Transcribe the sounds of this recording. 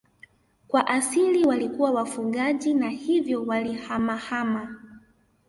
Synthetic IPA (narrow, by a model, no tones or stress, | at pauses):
kwaʔasiliwalikuwawafuɠaʄinahivjɔwalihamahama